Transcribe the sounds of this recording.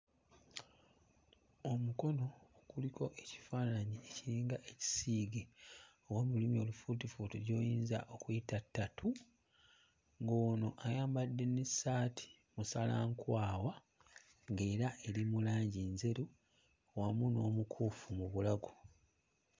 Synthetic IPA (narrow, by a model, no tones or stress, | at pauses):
omuko̞no̞ːkulikʰo̞ʔe̞ci̥faːnaɲieciɾiːŋɡaʔe̞ci̥siːɡeowamulimio̞lufutifutiɾjo̞ːjiːnza̰ʔo̞kujitatːatʰu | ŋɡoːno̞ʔajaːmbadːe̞nesaːtʰi̥ | musalaŋkwaːwa | ŋɡe̞ːɾaʔe̞limulaːɲɟinze̞ɾu | wamuno̞ːmukʰuːfumuβulaɡu